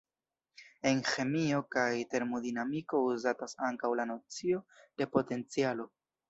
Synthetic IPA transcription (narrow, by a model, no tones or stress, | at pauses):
e̞nxe̞mio̞kajte̞ɾmodinamiko̞uzatasaŋkawlano̞t͡sio̞d̥e̞po̞te̞nt͡sialo̞